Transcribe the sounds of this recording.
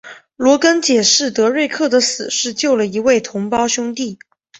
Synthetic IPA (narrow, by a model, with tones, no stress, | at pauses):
lwɔ˧˥kə˥nt͡ɕjɛ˨˩ʂɻ̩˥˩t̪ɤ˧˥ɻe˥˧ɪkʰɤ˥˩d̪ə˩˦sɹ̩˨˩ʂɻ̩˥˧t͡ɕjo˥˩ʊlə˩i˧˥we˥˩ɪt̪ʰʊ˧˥ŋpɑ˥ʊɕʊ˥ŋt̪i˥˩